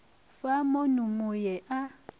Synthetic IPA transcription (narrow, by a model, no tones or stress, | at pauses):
famonumojɛʔa